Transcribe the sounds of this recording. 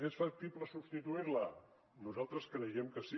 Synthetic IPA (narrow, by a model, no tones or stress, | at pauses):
esfək̚t̪ipləsupst̪it̪uiɾlə | nuzalˠt̪ɾəskənəʒɛmkəsi